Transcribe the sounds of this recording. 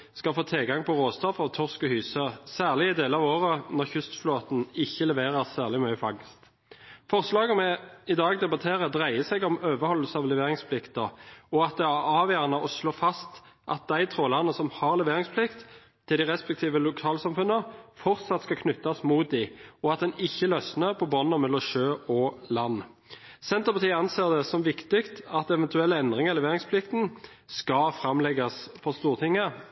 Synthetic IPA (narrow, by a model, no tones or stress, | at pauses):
skɑfoːt̪ʰɛlɡɑŋpʰɔʁoːst̪ɔfɑʋt̪ʰɔʁskəhyːsəsæːʁlɪɪd̪eːləɑʋoːʁənɔʁçʉst̪floːt̪n̩ɪçːəlɛʋeːʁəʁsæːʁlɪmœʏəfɑŋst̪ | fɔʁslɑːɡəmɛɪd̪ɑːɡd̪ɛbɑt̪ʰeːʁəd̪ʁæɪəsɛɡɔmøːʋəʁhɔlːəsəɑʋlɛʋeːʁɪŋspʰlɪkt̪əɔɑt̪̚d̪ɛæʁɑːʋjæːʁnəʔɔsloːfɑst̪ | ʔɑt̪̚d̪æɪt̪ʰʁoːlɑʁnəsɔmhɑʁlɛʋeːʁɪŋspʰlɪkt̪ʰː | ɪld̪ɪʁɛspɛk̚t̪ʰiːʋəlʊkʰɑːlsɑmfʉnːəfɔʁt̪sɑt̪skɑkʰnʉt̪ːɑsmuːt̪̚d̪ɪɔɑt̪̚d̪ɛnɪçːəlœsnəpʰɔbɔnːɔmɛlːɔmʃøːɔlɑnːsɛnt̪əʁpɑt̪iːəɑnseːʁd̪ɛsɔmʋɪkt̪ɪkt̪ɑt̪ɛʋɛnt̪ʰʉɛlːəɛnd̪ʁɪŋəlɛʋeːʁɪŋspʰlɪkt̪n | skɑfɾɑmlɛɡɑsfɔst̪uːʁt̪ʰɪŋːə